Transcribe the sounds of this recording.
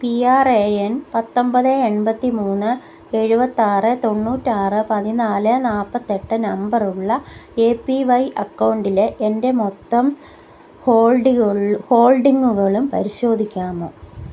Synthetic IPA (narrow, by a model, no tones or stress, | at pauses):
piaːreenpɐt̪ːo̞mbɐðɨeɳbɐt̪ːimuːnːɨ | e̞ɻubɐt̪ːaːrɨt̪o̞nːuːtːɨaːrɨpɐðinaːlɨnaːpːɐt̪ːe̞ʈːɨnɐmbɐruɭːɐe̞ːpːiʋɐjʔɐkːɐwɳɖileʔende̞mo̞t̪ːɐm | hoːɭɖiɐho̞ːɭɖiŋːuɣɐɭumpɐ̰ɾiɕo̞ːd̪ʱikʲːaːmoː